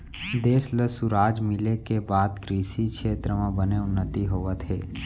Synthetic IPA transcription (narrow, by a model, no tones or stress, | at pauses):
d̪eːsləsʊɾaːd͡ʒmɪlekebaːd̪kɾiːsikʃʰeːt̪ɾəmãbəneʊnːət̪iɦoːʋət̪ʰeː